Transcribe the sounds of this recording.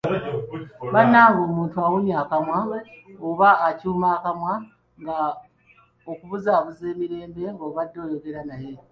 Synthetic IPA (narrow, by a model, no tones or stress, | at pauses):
βanːaːŋɡo̞ːmuːntuawuɲaːkamwaoβaːcuːmaːkamwa | ŋɡa | okuβuzaːβuze̞ːmiɾe̞ːmbe̞ŋɡoːβadːo̞ːjoɡe̞ɾanaje̞